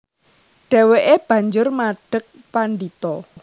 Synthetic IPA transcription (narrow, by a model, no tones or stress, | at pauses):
ɖ̥ɛ̤weʔeb̥ä̤ɲd͡ʒʊrmaɖ̥ək̚ | panɖit̪ɔ